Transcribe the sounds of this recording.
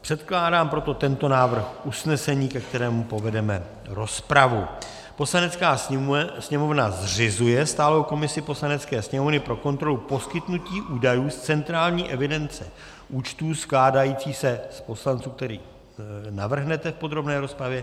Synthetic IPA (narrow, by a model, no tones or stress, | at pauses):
pr̝̥ɛt̪klaːdaːmpɾo̞t̪o̞t̪ɛnt̪o̞naːvr̩xʔusnɛsɛɲiːkɛk̚t̪ɛɾɛːmupo̞vɛdɛmɛ | ɾo̞spɾavu | po̞slanɛt͡skaːsɲɛmo̞vnazr̝ɪzujɛst̪aːlo̞wko̞mɪsɪpo̞slanɛt͡skɛːsɲɛmo̞vnɪpɾo̞ko̞nt̪ɾo̞lupo̞skɪt̪nuciːʔuːdajuːst͡sɛnt̪ɾaːlɲiːʔɛvɪdɛnt͡sɛ | ʔuːt͡ʃt̪uːsklaːdajiːt͡siːsɛspo̞slant͡suːk̚t̪ɛɾḭː | navr̩ɦnɛt̪ɛfpo̞d̪ɾo̞bnɛːɾo̞spɾavjɛ